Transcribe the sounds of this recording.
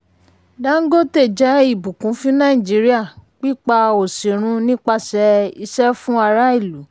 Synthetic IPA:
da˦ŋ̩˦ɡo˦te˦˨d͡ʒɛ˨˦i˦˨bu˨kũ˨˦fĩ˦nã˦˨ĩ˨d͡ʒi˨˦ɾi˦a˦˨k͡pi˦k͡pa˧o˨sĩ˨ɾ̃ũ˧˦nĩ˦k͡pa˦sɛ˧˦i˧ʃɛ˦fũ˦a˧ɾa˦i˦˨lu˨˦

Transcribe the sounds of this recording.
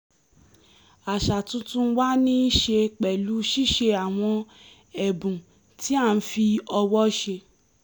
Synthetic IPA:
a˨ʃa˨tũ˦tũ˦wa˦nĩ˦ʃe˧k͡pɛ˨lu˨˦ʃi˦˨ʃe˧a˨w̃ɔ̃˧ | ɛ˨bũ˨ | ti˨˦a˦˨˧n̩˦fi˧ɔ˧wɔ˦ʃe˧

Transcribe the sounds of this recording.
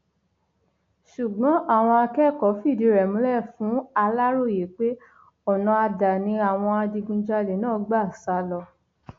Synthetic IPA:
ʃu˨ɡ͡bɔ̃˨˦ʔa˦˨w̃ɔ̃˧a˧kɛ˦˨kɔ˨˦fi˦˨di˨˦ɾɛ˨mũ˨˦lɛ˦˨fũ˨˦a˧la˦ɾo˦˨je˨˦k͡pe˦ | ɔ˦˨nɔ̃˧a˧da˨nĩ˧˦a˦˨w̃ɔ̃˧a˧di˧ɡũ˧d͡ʒa˧le˨˦nãː˦ɡ͡ba˦˨sa˧˦lɔ˧

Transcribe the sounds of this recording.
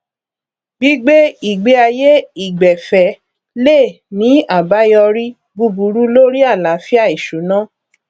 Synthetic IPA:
bi˦ɡ͡be˦i˦˨ɡ͡be˧˦a˧je˦i˦˨ɡ͡bɛ˨fɛ˨ | le˦˨ | nĩ˨˦a˦˨ba˨˦jɔ˧ɾi˦ | bu˧bu˨˦ɾu˦lo˦ɾi˦a˦˨la˨˦fi˦a˦˨i˨ʃu˨˦nã˦

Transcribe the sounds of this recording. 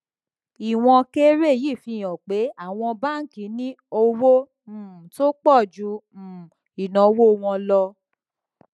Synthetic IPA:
i˨w̃ɔ̃˧ke˦ɾe˦˨ji˦˨fĩ˧˨j̃ɔ̃˨k͡pe˨˦a˦˨w̃ɔ̃˧ba˦n̩˦kĩ˨˦nĩ˦ | o˧wo˦˨ | to˦k͡pɔ˦˨d͡ʒũ˨˧˦ | i˨nã˨˦wo˦˨˧w̃ɔ̃˧lɔ˧

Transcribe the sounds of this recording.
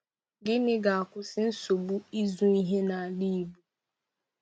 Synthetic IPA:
ɡɪ˦nɪ˦ɡa˨a˨kʷʊ˦sɪ˦n̩˦so˨bu˦i˦zu˦i˦ɦe˦na˨a˨di˦i˨bu˨˦

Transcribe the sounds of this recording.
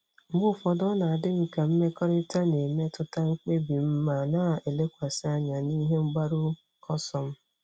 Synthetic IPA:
mʊ˦fɔ˨dɔ˦na˨a˨dɪ˦ŋ͡m̩˨ka˨m̩˦me˦kɔ˦ɾɪ˦ta˦ne˨me˦tʊ˦ta˦ŋ͡m̩˦k͡pe˦bi˨m̩˦ma˦˨na˦˨e˨le˦kʷa˨sɪ˦a˦ɲa˨ni˦ɦe˦ŋ͡m̩˦ɡ͡ba˦ɾu˦ | kʰɔ˦sɔ˨m̩˦

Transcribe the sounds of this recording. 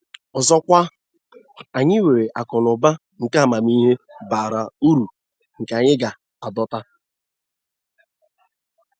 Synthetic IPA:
ɔ˨zɔ˦kʷa˦ | a˨ɲɪ˦we˨ɾe˨ʔa˨kɔ˨lʊ˨ba˦ | ŋ̩˨ka˦˨ma˨mi˦ɦe˦baː˨ɾa˨u˦ɾu˨ | ŋ̩˨ka˨ɲɪ˦ɡa˨ | a˨dɔ˦ta˦

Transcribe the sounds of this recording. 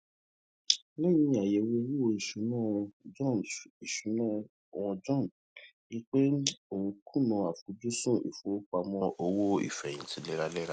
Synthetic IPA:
lɛ˦j̃ĩ˧˦a˨je˨we˧˦ɾi˦o˧i˨ʃu˨˦nã˦˨w̃ɔ̃˧d͡ʒɔ̃˦˨i˨ʃu˨˦nã˦ | o˨w̃ɔ̃˧d͡ʒɔ̃˦˨n˨ | ĩ˦k͡pe˦o˨wũ˧kʰu˦˨nɔ̃˧a˨fu˨˦d͡ʒu˦sũ˦ḭ˨fo˨˦o˦k͡pa˧mɔ̃˧ʔo˧˦wo˦ḭ˦˨fɛ̃˨ĩ˨tʰĩ˦lɛ˦ɾa˦lɛ˦ɾa˦

